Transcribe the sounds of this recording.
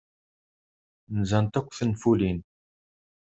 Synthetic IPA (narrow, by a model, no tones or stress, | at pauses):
nzant̪əkʷːθənfulin